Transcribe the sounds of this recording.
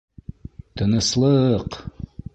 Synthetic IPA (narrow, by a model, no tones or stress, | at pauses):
t̪ɤ̆nɤslˠɤq